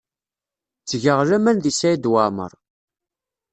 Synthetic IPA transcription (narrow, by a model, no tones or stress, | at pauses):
t͡sːʝəʁlæmænðisæjid̪wamə̰ɾˤ